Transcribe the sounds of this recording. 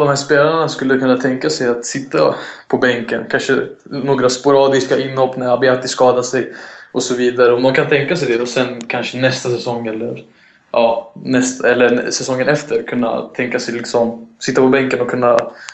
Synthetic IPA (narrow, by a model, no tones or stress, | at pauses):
d̪ɔmhæːʂpeːlaɳaskɵlːəkʰɵnːat̪ʰɛŋkasɛjat̪sɪt̪ːa̰pʰɔbɛŋkənkʰanʂə | noːɡɾaspʊɾɑːd̪ɪskaʔɪnːhɔpnɪŋabeːt̪ːɪskɑːd̪asɛjʔɔsɔviːd̪aɾəɔmd̪ankʰant̪ʰɛŋkasɛjd̪ɛd̪ɔsɛnkʰanʂənɛst̪asɛsɔŋːɛlːəɾ | ʔɑːnɛst̪ɛlːəsɛsɔŋːənɛft̪ʰəɾkʰɵnːa̰t̪ʰɛŋkasɛjlɪksɔmsɪt̪ːapɔbɛŋkənɔkʰɵnːa